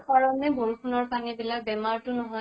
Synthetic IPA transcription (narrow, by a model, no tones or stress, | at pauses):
kaɹɔnɛboɹukʰunɔɹpanibilak̚bɛmaɹtʊnɔɦɔj